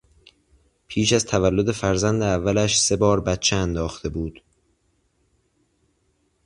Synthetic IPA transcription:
pʰiːʃæzt̪ʰævælːo̞d̪e̞fæɾzænd̪eævːælæʃse̞bɒːɾbæt̪̚t͡ʃʰeænd̪ɒːxt̪ʰe̞buːd̪̥

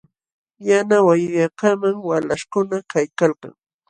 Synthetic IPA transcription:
janawajʊjɑkamaŋwalaʃkʊnakajkalka̰ŋ

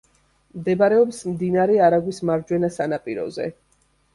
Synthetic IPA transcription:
md̪ɛbaɾɛɔpsmd̪inaɾɛaɾaɡwismaɾd͡ʒwɛnasanapʼiɾɔ̰zɛ̰

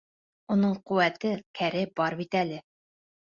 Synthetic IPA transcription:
unɤɴquwæt̪ɘkʰæɾɘbɒɾbit̪ælɘ

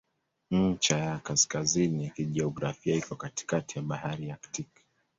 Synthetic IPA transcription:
ɲ̩t͡ʃajakaskazinikiʄɛɔɡɾafiaikɔkati̥katijaɓahaɾiaktik

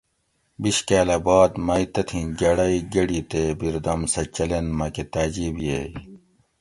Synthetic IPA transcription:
biɕkaːlɐbaːd̪mɐjt̪ɐt̪ʰĩnɡɐɽɐiɡɐɽit̪ebiɾd̪ɐmsɐt͡ɕɐlenmɐket̪aːd͡ʑiːbijej

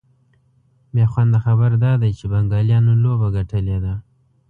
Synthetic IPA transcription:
bjɑxwand̪əxabəɾd̪ɑd̪ajt͡ʃebaŋɡɑljɑnolobaɡaʈʰəled̪a

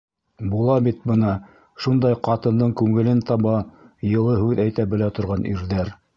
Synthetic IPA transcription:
bulˠɑbit̪̚bɤ̆nɑ | ʃund̪ɑjqɑt̪ɤ̆nd̪ɤɴkʉŋɘ̆lɘnt̪ɑβɑjɤ̆lˠɤɦʉðæjt̪æbɘ̆læt̪ŏɾʁɑnʔḭɾðæɾ

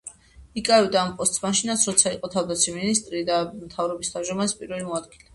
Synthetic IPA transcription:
ikʼaɛvd̪aːmpʼɔst̪ʼsmaʃinasʰɾɔt̪sʰaiqʼɔt̪ʰavd̪at̪sʰiminist̪ʼɾid̪amt̪ʰavɾɔbist̪ʰamʒɔmaspʼiɾvɛlimɔad̪ɡilɛ

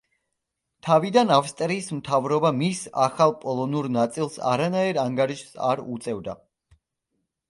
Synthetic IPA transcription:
t̪ʰavid̪anafst̪ʼɾiːsmt̪ʰavɾɔbamisa̰χalˠpʼɔlˠɔnuɾnat̪sʼilˠsa̰ɾanaiɾaŋɡaɾiʃsa̰ɾut̪sʼɛvd̪a̰

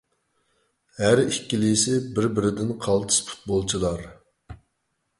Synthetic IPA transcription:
hæɾikʲːilijsɪbɪɾbɪɾɪd̪ɪnqʰɑlˠt̪ʰɨ̥spʰu̥t̪̚bolˠt͡ʃʰilˠɑɾ

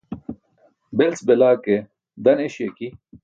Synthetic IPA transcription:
belt͡sbelaːke | d̪ɐneɕjeki

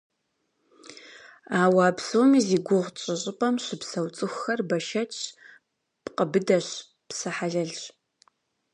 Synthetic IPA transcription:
aːwaːpsowmiːziːɡʷʊʁt͡ʃʼɪɕʼɪpʼɐmɕɪpsɐwt͡sʼɨxʷːɐrbɐʃɐt͡ʃʰʼ | pqəbɨdɐɕ | psɐħaɮɐɮ

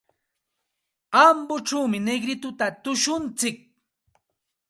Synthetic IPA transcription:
ambʊʈ͡ʂawmɪneɡɾɪt̪ʊt̪at̪ʊʃʊnt͡sɪk̚

